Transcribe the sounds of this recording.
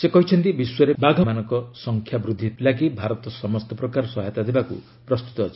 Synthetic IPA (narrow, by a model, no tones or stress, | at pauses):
sekɔɦit͡ʃʰɔnt̪ibiswɔɾebad̪ʱɔmanɔŋkɔsɔŋkʰjabɾud̪ʱːit̪laɡibʱaɾɔt̪ɔsɔmɔst̪ɔpɾɔkaɾɔsɔɦajt̪ad̪ʱebakṵ | pɾɔst̪u̥t̪ɔːt͡ʃʰi̥